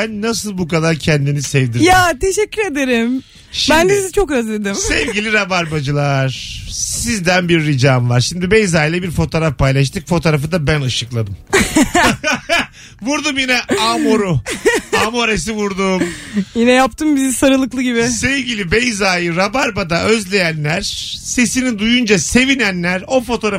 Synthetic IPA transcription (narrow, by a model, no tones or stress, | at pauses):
bænːasɯlˠbukad̪aɾcʰɛnd̪inisɛvd̪iɾjjaːt̪ʰeʃɛcʲːyɾe̞d̪eɾim | ʃbænd̪isizit͡ʃʰo̞køzlʲe̞d̪imsɛvɟilʲiɾabaɾbad͡ʒɯlˠaɾ̥ssizd̪ænbiɾːid͡ʒamvaɾʃimd̪ibejzaːilʲɛbiɾfo̞t̪ʰo̞ːɾafpajlˠaʃ̬t̪ʰɯkfo̞t̪ʰoɾafɯd̪abænɯʃɯklˠad̪ɯm | vuɾd̪umjinɛamoɾuamoɾes̬ivuɾd̪ummjinɛjap̚t̪ʰɯmbizsaɾɯlˠɯklˠɯɟibɪsevɟilʲibejzaːjɯɾabaɾbad̪aʔøzlʲe̞jænlʲæɾ̥se̞sinid̪ujund͡ʒase̞vinænlʲæɾo̞fo̞t̪ʰoɾa